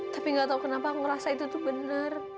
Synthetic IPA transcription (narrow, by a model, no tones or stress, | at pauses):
t̪apiŋɡaʔt̪aukənapakŋɾasait̪ut̪ʊhbənər